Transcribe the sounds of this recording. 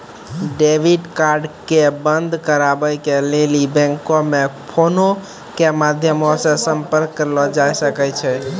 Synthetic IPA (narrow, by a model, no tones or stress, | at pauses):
ɖeʋiɖkaɾɖkebənd̪ʱkəɾabəjkelelibɛ̃ŋkomepʰono | kemad̪ʱjəmɔsẽsəmpəɾkːəɾlɔd͡ʒajsəkɛt͡ʃʰɛ